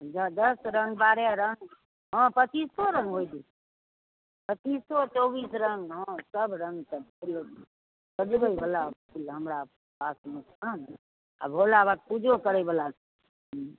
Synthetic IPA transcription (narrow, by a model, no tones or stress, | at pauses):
d͡ʒəd̪əsɾəŋɡbaɾaɾəŋɡ | ɦə̃pət͡ʃisːɔɾə̃ŋɡɦojd̪i | pət͡ʃisːɔt͡ʃɔbisɾəŋɡɦə̃səbɾəŋɡt̪əul | kəd͡ʒbəibəla | ulɦəmɾa | pasme | ən | a̰bʱolabat̪̚pud͡ʒʱokəɾəjbəla | ɦ